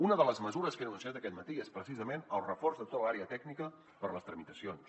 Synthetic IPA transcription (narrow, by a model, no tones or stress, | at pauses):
unəðələzməzuɾəskənənunsiat̪əkɛt̪mət̪iespɾəsizəmenəlˠrəforzðət̪ot̪əlaɾeət̪ɛɡnikə | pəɾləst̪ɾəmit̪əsions